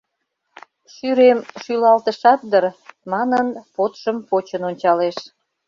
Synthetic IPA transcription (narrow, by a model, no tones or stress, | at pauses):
ʃyɾemʃylɑlt̪əʃɑt̪̚d̪ərmɑnənpot̪ʃəmpot͡ɕənonʲt͡ɕɑleʃ